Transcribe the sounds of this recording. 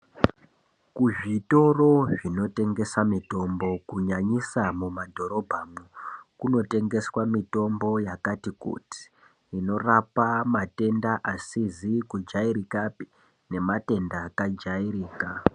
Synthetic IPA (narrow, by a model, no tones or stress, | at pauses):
kuʐito̞ro̞ʐino̞te̞ŋɡe̞samito̞mbo̞kuɲaɲisamumadʱo̞ɾo̞bʱaːmukuno̞te̞ŋɡe̞swamito̞mbo̞jakatikṵti̥ | ino̞rapamate̞ndaʔasizikud͡ʒaiɾikapi̥ | ne̞mate̞ndakad͡ʒaiɾiːka